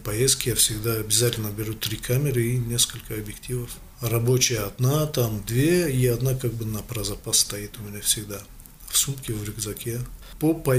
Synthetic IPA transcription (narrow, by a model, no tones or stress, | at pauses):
pɐjest̪̚kʲɪjafsʲɪɡd̪aɐbʲɪzatʲɪlʲnəbʲɪɾut̪ɾʲikʰamʲɪɾɨinʲeskəlʲkəɐbjɪktʲivəf | rɐbo̞t͡ɕɪjəɐd̪nat̪amd̪vʲeiɐd̪nakaɡ̚bɨnɐpɾɐzɐpasːt̪ɐit̪ʊmʲɪnʲafsʲɪɡd̪a | fsumkʲɪvɾʲɪɡzɐkʲʰepopɐ